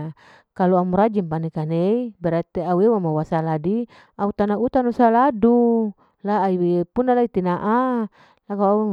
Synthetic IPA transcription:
kaluamuɾad͡ʒimpanekaneibɛɾat̪eauewamawasaladi | aut̪anaut̪anusaladu | laːiwepunalait̪inaʔa | lakawa

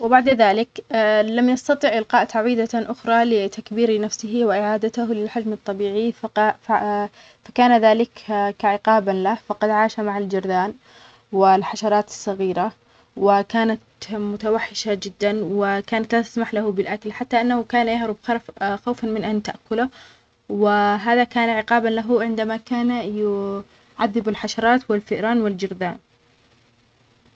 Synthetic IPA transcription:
wɪbaʕd̪aðaːlɪkːlamjɑst̪ɑt̪ˤiːʕʔɪlqɑːʔt̪aʕwiːd̪aʔʊxɾˤɑlɪt̪akbiːɾinafsɪɦiwɪʔɪʕaːd̪at̪ahlɪlħad͡ʒmɨt̪ˤːɑbiːʕiffa | fḁkaːnaðaːlɪkkaʕɪqɑːbanlafɑqɑd̪ʕaːʃamaʕald͡ʒɪɾˤd̪aːn | wɪlħaʃɑɾˤɑːt̪ɪ̥sˤːɑɣiːɾa | wɪkaːnat̪mʊt̪awaħːɪʃad͡ʒɪd̪ːanwɪkaːnat̪lat̪ḁsmaħlahʊbɪlʔakalħat̪ːaʔanːahʊkaːnajahɾʊbxaɾˤfxawfanmɪnʔant̪aʔkʊlʊ | wɪɦaːðakaːnʕɪqɑːbanlaɦʊʕɪnd̪amakaːnjʊ | ʕaðːɪbɪlħaʃɑɾˤɑːt̪wɪlfɪʔɾaːnwɪld͡ʒɪɾˤd̪aːn

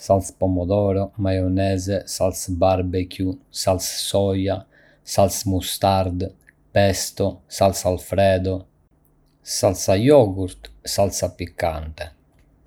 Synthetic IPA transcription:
salspɔmɔd̪ɔːɾɔmajɔnɛːzɛsalsbaɾbɛkjusalssɔja | salsmust̪aɾd̪ | pɛst̪ɔsalsalfɾɛːd̪ɔ | salsajɔːɡuɾt̪salsapːikːant̪e

